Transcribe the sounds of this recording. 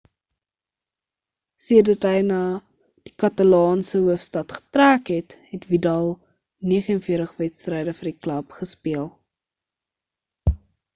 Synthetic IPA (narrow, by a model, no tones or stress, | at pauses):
siədɐtɦəjnɑː | d̥ikɐtɐlɑːnsəɦuəfstɐtχə̥træːkɦɛtɦɛtvidɐlˠ | niəχənfiətəχvɛtstrɛjdəfərdiklɐpχəspiəlˠ